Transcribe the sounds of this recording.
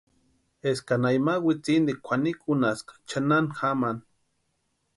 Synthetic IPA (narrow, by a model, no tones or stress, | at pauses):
eskanajmawit͡sind̪ikʷʰanikʼunaskḁt͡ʃananxaman